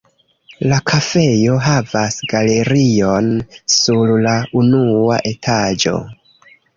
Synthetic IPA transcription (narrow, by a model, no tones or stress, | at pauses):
lakʰafe̞jo̞ɦavasɡale̞ɾio̞nsuɾlaunua̰ʔe̞tʰad͡ʒo̞̰